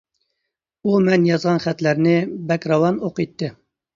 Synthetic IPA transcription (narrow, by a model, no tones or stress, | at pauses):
umɛnjɑzʁɑnχæt̪læɾnɪbɛkɾɑwɑnoqijt̪ːɨ